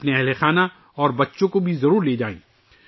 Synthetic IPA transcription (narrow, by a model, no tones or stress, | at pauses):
ɐpneɛɦlexaːna | ɔːɾbɐtːʃõkobʱizɐɾuːɾleːd͡ʒaːḛ̃ː